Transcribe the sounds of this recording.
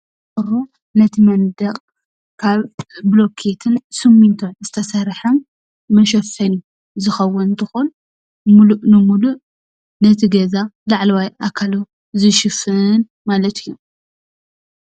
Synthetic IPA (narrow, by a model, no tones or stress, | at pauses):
ɨɾo | nɐt̪ʰimɐnd̪ɐqʼ | kʰaβːlo̞kʰet̪ʰɨnsɨmːint̪ʰonzɨt̪ʰɐsɐɾħɐmː | ɐʃ̬ɐfɐnu | zɨxɐwːɔnnt̪ʰɨxun | muluʔnɨmuluʔ | nɐt̪ʰiɡɐzalaʕlwajʔakʰːalu | zɨʃɪfɨn | malɐt̪ʰɨjːo